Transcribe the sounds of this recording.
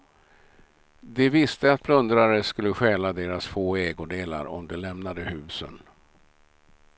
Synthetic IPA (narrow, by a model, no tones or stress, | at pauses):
d̪ɛvɪst̪əat̪̚pʰlɵnd̪ɾaɾəskɵlːəɧɛːlad̪eːɾasfoːeːɡʊd̪eːla̰ɾɔ̰md̪ɛlɛmnad̪əhʉ̟ːsə̰n